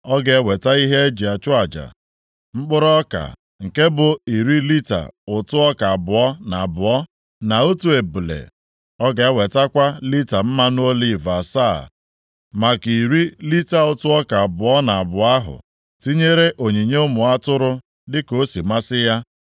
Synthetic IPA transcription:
ɔ˦ɡe˨˦we˨ta˦i˦ɦe˦e˦d͡ʒi˨a˨t͡ʃʊ˦a˨d͡ʒa̰˨ | ŋ͡m̩˦k͡pʊ˦ɾɔ˦ka̰˨ | ŋ̩˨ke˦bʊ˨i˨ɾi˦li˦ta̰˨ʊ˨tʊ˦ɔ˦ka˨a˨bʊ˨ɔ˦na˨a˨bʊ˨ɔ˦ | na˨o˦tu˦˨e˨bu˨lḛ˨ | ɔ˦ɡa˨e˦we˨ta˦kʷa˦li˦ta˨m̩˦ma˦n˦o˦li˦˨va˨sa˦˨ | ma˨ki˨ɾi˦li˦ta˨ʊ˨tʊ˦ɔ˦ka˨a˨bʊ˨ɔ˦na˨a˨bʊ˨a˦ɦʊ̰˨ | ti˦ɲe˦ɾe˦ʔo˨ɲi˨ɲe˦o˦mʊ˨a˦tʊ˦ɾʊ˦ | dɪ˦ko˦si˨ma˦sɪ˦ja˦

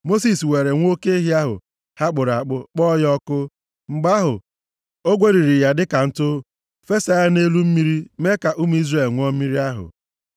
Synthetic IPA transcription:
mo˦s̬i˨swe˨ɾe˨ŋʷ˦o˦ke˦e˦ɦja˦ɦʊ̰˨ | ha˦k͡pʊ˨ɾa˨k͡pʊ˦k͡pɔ˦jɔ˦kʊ˦ | ŋ͡m̩˨ɡ͡ba˦ɦʊ˨ | o˦ɡʷe˦ɾi˨ɾi˨ja˦dɪ˦ka˨n̩˦tʊ˦ | fe˦sa˦ja˦ne˦lu˦m̩˦mi˦ɾi˦me˦ka˨ʔu˦m˦i˦zre˦˨lŋʷ˦ɔ˦m̩˦mi˦ɾi˦a˦ɦʊ̰˨

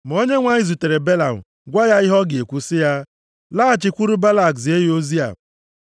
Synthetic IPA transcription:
m̩˨o˦ɲe˦ŋʷa˦ɲi˨zu˨te˨ɾe˨be˦la˨m̩̰˨ | ɡʷa˦ja˦ɪ˦ɦɔ˦ɡɪ˨e˨kʷu˨sɪ˦ja˦ | la˦˨t͡ʃɪ˨kʷu˦ɾu˦ba˦la˨kse˦jo˦zi˦a̰˨

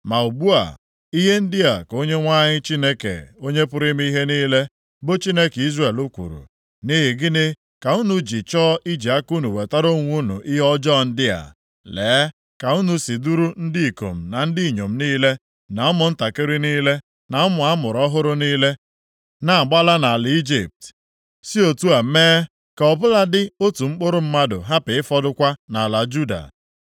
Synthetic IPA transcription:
ma˨u˨bu˦a̰˨ | i˦ɦe˦n̩˦dɪ˦a˨ko˦ɲe˦ŋʷa˦ɲɪ˦t͡ʃi˦ne˦kḛ˨o˦ɲe˦pʊ˦ɾɪ˦m˦i˦ɦe˦niː˦le˦ | bʊ˦t͡ʃi˦ne˦ki˦zre˨lu˦kʷṵ˨ɾṵ˨ | ni˦ɦɪ˨ɡɪ˦nɪ˦ | ka˨u˦nu˨d͡ʒi˨t͡ʃɔː˦ʔi˦d͡ʒi˨a˦ku˦nu˨we˨ta˦ɾo˦ŋʷ˦u˦nṵ˨ʔi˦ɦɔ˦d͡ʒɔ˦˨n̩˦dɪ˦a̰˨ | leː˨˦ | ka˨u˦nu˨si˨du˦ɾu˦n̩˦dɪ˦i˨ko̰˨m̩˨na˨n̩˦dɪ˦i˨ɲo˨m̩˦niː˦le˦ | na˨ɔ˦mʊ˨n̩˦ta˨ke˦ɾi˦niː˦le˦ | na˨ɔ˦mʊ˨a˦mʊ˨ɾɔ˦ɦʊ˦ɾʊ˦niː˦le˦ | na˦˨ɡ͡ba˦la˦na˨a˨lɪ˨i˦d͡ʒḭ˨p̚t | si˦o˨tu˦a˨m̩˦meː˦ | ka˨ɔ˨bʊ˦la˦dɪ˦o˦tu˨ŋ͡m̩˦k͡pʊ˦ɾʊ˦m̩˦ma˦dʊ̰˨ɦa˦pɪ˨ɪ˦fɔ˦dʊ˦kʷa˦na˨la˨d͡ʒu˦da̰˨

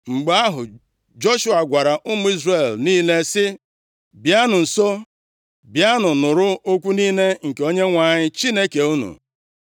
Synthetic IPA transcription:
ŋ͡m̩˨ɡ͡ba˦a˦ɦʊ˨ | d͡ʒo˦ʃu˦a˨ɡʷa˨ɾa˨ʔʊ˦mʊ˦i˦zre˨lniː˦le˦sɪ˦ | bja˦nʊ˨n̩˨so˦ | bja˦nʊ˨nʊ˨ɾʊ˦o˦kʷu˦niː˦ne˦ŋ̩˨ke˨o˦ɲe˦ŋʷa˨ɲɪ˦t͡ʃi˦ne˦ke˨u˦nṵ˨

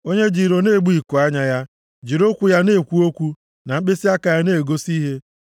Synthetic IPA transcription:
o˦ɲe˦d͡ʒi˨ɾo˨ne˦˨ɡ͡bu˦i˨ko˨a˦ɲa˦ja˦ | d͡ʒi˨ɾo˦kʷu˨ja˦ne˦˨kʷu˦o˦kʷu˦ | na˨ŋ͡m̩˦k͡pe˦si˦a˦ka˨ja˦ne˦˨ɡo˦si˦ɦe˦

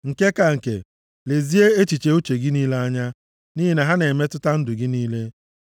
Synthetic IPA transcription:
ŋ̩˨ke˦ka˨ŋ̩˨kḛ˨ | le˨zi˦e˦e˦t͡ʃi˨t͡ʃe˨˦u˦t͡ʃe˨ɡɪ˦niː˦le˦a˦ɲa˦ | niː˦ɦi˨na˨ɦa˦ne˨me˦tʊ˦ta˦n̩˦dʊ˨ɡɪ˦niː˦le˦

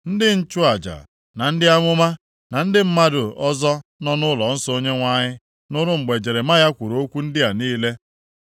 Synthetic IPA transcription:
n̩˦dɪ˦n̩˦t͡ʃʊ˦a˨d͡ʒa̰˨ | na˨n̩˦dɪ˦a˦ŋʷʊ˦ma˦ | na˨n̩˦dɪ˦m̩˦ma˦dʊ˨ɔ˦zɔ˦nɔ˦nʊ˦lɔ˨n̩˦so˦ɲe˦ŋʷa˦ɲɪ˦ | nʊ˦ɾʊ˦ŋ͡m̩˨ɡ͡be˨d͡ʒe˨ɾe˨ma˦ja˦kʷu˨ɾo˦kʷu˦n̩˦dɪ˦a˨niː˦le˦

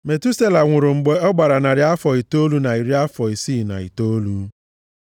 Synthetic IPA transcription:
me˨tu˦se˦la˨ŋʷʊ˨ɾʊ˨ŋ͡m̩˨ɡ͡be˨ɔ˦ɡ͡ba˨ɾa˨na˨ɾɪ˨a˦fɔ˨i˨to˦lu˦na˨i˨ɾi˦a˦fɔ˨i˨siː˦˨na̰˨ḭ˨to˦lu˦

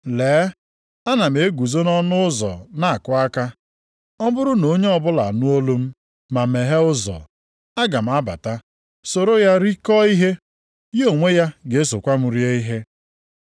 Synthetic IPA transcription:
leː˨˦ | a˦na˨m̩e˨e˦ɡʷu˨zo˦nɔ˦nʊ˦ʊ˦zɔ̰˨na˦a˨kʊ˦a˦ka˦ | ɔ˦bʊ˦ɾʊ˦no˨˦ɲe˦ɔ˦bʊ˦la̰˨nʊ˦o˦lo˦m̩˦ | ma˨me˨ɦe˦ʊ˦zɔ̰˨ | a˦ɡa˨m̩˨a˦ba̰˨ta˦ | so˨ɾo˦ja˦ɾi˦kɔ˦i˦ɦe˦ | jo˨ŋʷe˦ja˦ɡe˨e˦so̰˨kʷa˦m̩˦ɾje˦i˦ɦe˦

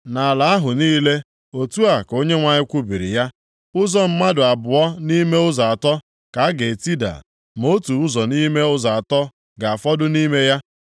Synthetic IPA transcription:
na˨la˨a˦ɦʊ˨niː˦le˦ | o˨tu˦a˨ko˦ɲe˦ŋʷa˨ɲɪ˦kʷu˦bi˨ɾḭ˨ja˦ | ʊ˦zɔ˦m̩˦ma˦dʊ˨a˨bʊ˨ɔ˦ni˦me˦ʊ˦za˨tɔ˦ | ka˨a˦ɡe˨ti˦da̰˨ | mo˦tu˨ʊ˦zɔ˨ni˦me˦ʊ˦za˨tɔ˦ | ɡa˨a˨fɔ˦dʊ˦ni˦me˦ja˦

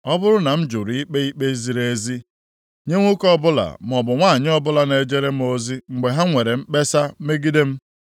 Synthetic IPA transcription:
ɔ˦bʊ˦ɾʊ˦na˨m̩˦d͡ʒʊ˨ɾi˦k͡pe˦i˦k͡pe˦zi˨ɾe˦e˦zi˦ | ɲe˦ŋʷo˦kɔ˦bʊ˦la̰˨m˨ɔ˨bʊ˨ŋʷaː˦˨ɲɪ˦ɔ˦bʊ˦la˦ne˨e˨d͡ʒe˦ɾe˦m̩˦o˦zi˦ŋ͡m̩˨ɡ͡be˨ɦa˦ŋʷe˨ɾe˨m̩˦k͡pe˦sa˦me˦ɡi˦de˦m̩˦

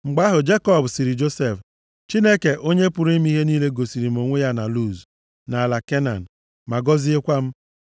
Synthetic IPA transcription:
ŋ͡m̩˨ɡ͡ba˦ɦʊ˨d͡ʒe˦kɔ˦˨bsi˨ɾi˨d͡ʒo˦se˦˨f | t͡ʃi˦ne˦ke˨ʔo˦ɲe˦pʊ˨ɾi˦m˦i˦ɦe˦niː˦le˦ɡo˨si˨ɾi˨m˨o˨ŋʷe˦ja˦na˨lu˦˨z | na˨a˨la˨ke˦na̰˨n̩˨ | ma˨ɡɔ˦zi˦e˦kʷa˦m̩˦

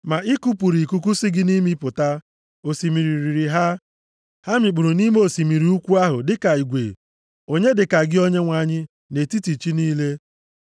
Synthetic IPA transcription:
ma˨ɪ˦ku˦pu˨ɾi˨ku˦ku˦sɪ˦ɡɪ˦ni˦mi˦pʊ˨ta˦ | o˨si˨mi˨ɾi˨ɾi˨ɾi˨ɦa˦ | ha˦mɪ˨k͡pu˨ɾu˨ni˦m˦o˦˨si˨mi˨ɾi˨˦u˦kʷu˦a˦ɦʊ˨dɪ˦ka˨i˨ɡʷḛ˨ | o˦ɲe˦dɪ˨ka˨ɡɪ˦o˦ɲe˦ŋʷa˦˨ɲɪ˦ | ne˨ti˦ti˨t͡ʃi˦niː˦le˦

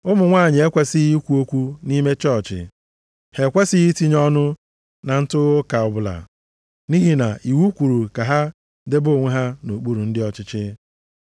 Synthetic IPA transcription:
ʊ˦mʊ˨ŋʷaː˦˨ɲɪ˨e˦kʷe˦si˦ɣi˦kʷu˦o˦kʷu˦ni˦me˦t͡ʃɔ˦˨t͡ʃɪ̰˨ | he˨kʷe˦sɪ˦ɣi˦ti˦ɲɔ˦nʊ˦ | na˨n̩˦tʊ˦ɣʊ˦ka˨ɔ˨bʊ˨la̰˨ | ni˦ɦi˦na̰˨ʔi˨wu˦kʷu˨ɾu˨ka˨ɦa˦ | de˦bo˦˨ŋʷe˦ɦa˦no˨k͡pu˦ɾu˨n̩˦dɪ˦ɔ˦t͡ʃɪ˦t͡ʃɪ˦

